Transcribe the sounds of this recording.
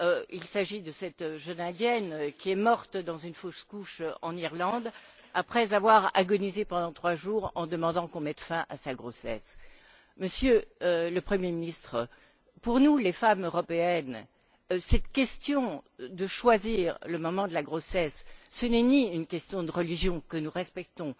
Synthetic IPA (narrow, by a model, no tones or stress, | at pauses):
øilsaʒid̪əsɛt̪ʒənɛ̃d̪jɛnkʲiɛmɔʁt̪d̪ɑ̃zynfoskuʃɑ̰̃niʁlɑ̃d̪ | apχɛzavwaʁa̰ɡɔnizepɑ̃d̪ɑ̃t̪χwaʒuʁɑ̃d̪əmɑ̃d̪ɑ̃kɔ̃mɛt̪fɛ̃ʔasaɡʁosɛ̰s | məsjøləpχəmjeminist̪χ | puʁnulefamøʁɔpeɛn | sɛt̪kʲɛst̪jɔ̃d̪əʃwaziʁləmɔmɑ̃d̪əlaɡʁosɛsːənɛniynkʲɛst̪jɔ̃d̪əʁəliʒjɔ̃kənuʁɛspɛk̚t̪ɔ̃